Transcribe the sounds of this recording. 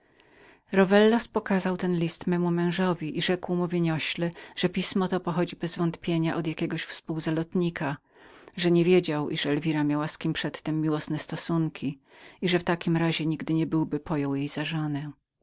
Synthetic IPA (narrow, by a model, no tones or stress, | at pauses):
ɾɔvɛlːɔspɔkazawt̪ɛnlʲist̪mɛmumɛ̃w̃ʐɔvʲiʔiʐɛkwmuvʲeɲɔɕlɛʐ̥ɛpʲismɔt̪ɔpɔxɔd͡ʑibɛzvɔnt̪pʲjeɲaʔɔd̪jakʲɛɡɔɕfspuwzalɔt̪ɲikʰa | ʐɛɲɛvʲjed͡ʑawʔiʂɛlvʲiɾamʲjawaskʲimpʂɛt̪ːɛmːʲiwɔsnɛst̪ɔsuŋkʲiiʐɛft̪akʲimɾaʑɛɲiɡd̪ɘɲɛbɘwbɘpʰɔjɔwjejz̥aʐɔnɛ